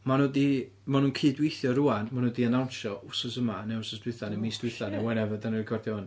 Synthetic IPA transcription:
manudi | manuːnkʰɨːdwejθjɔruanmanudiənawnʃɔʔʊsɔsəmanɛʊsɔsdwɨθanemiːsd̥wɪθanɛwɛnɛvɨdanikʰɔrdɛɔn

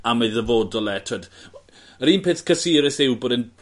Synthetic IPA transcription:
aməɨðəvoːdɔlɛtʰɔd | əɾiːnpʰeːθkʰəsiːɾɪθɪwbɔdən

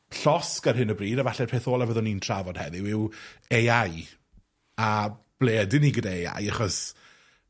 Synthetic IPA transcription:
ɬɔskarɦɨnəbriːdavaɬɛ̥pʰeːθoːlˠavəðʊnintʰr̥avɔd̥hɛ̰ðɪwɪwejaj | ab̥leːdɪniɡədaea̰jaχɔs

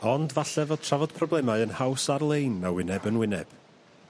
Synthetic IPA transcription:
ɔndvaɬɛvod̥̚tʰravɔd̥pʰrɔblˠɛmaɨənhawsarlˠejnːawɪnɛbənwɪnɛb̥

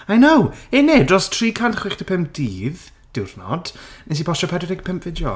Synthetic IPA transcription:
ajnowenedrɔstʰriːkʰantχwɪχtəpʰəmp̚d̥iːð | d̥ɪwrnɔ̰d̥nɛs̬ipʰɔʃɔpʰɛdɔɾɪɡpʰəmpʰvɪdjɔ

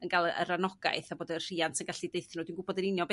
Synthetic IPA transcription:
ənɡalˠə̰ɾanɔɡa̰ɨθaboːdər̥iantʰənɡaɬidejθnudinɡʊbɔdənɪnjɔb

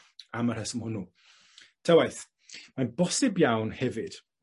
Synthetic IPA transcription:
amarhɛsəmhʊnu | tʰəwajθ | manbɔsɪbjawnhɛvɨd̥

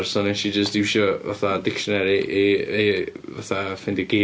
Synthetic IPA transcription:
rsɔnɪʃid͡ʒəsd̥ɪwʃɔva̰θadɪkʃɔnɛɾiʔieva̰θafɪndiɡe

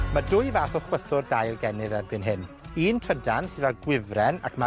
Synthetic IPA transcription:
madʊɨvaːθɔχwəθʊrdajlˠɡɛnɨðɛrbɨnɦɪn | iːntʰrədansɨðaɡwɪvrɛna̰kʰma

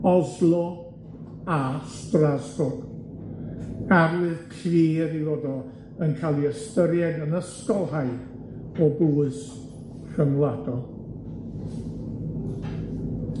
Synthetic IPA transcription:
ɔzlˠɔ | astrazbʊɡ | aɾwɨð̥kʰriːɾiwɔdɔ | ənkʰaːlˠiəstəɾjɛdənəskɔlˠhaj | ɔbluɨs | kəmlˠadɔlˠ

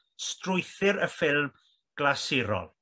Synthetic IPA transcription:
strʊjθɪɾəfɪlˠm | ɡ̥lasɪɾɔ̰lˠ

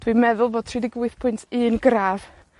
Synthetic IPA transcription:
d̥wimɛðʊlˠvoːd̥̚tʰrɪdɪɡwɪɨθpʰʊntʰɨːnɡraːv̥

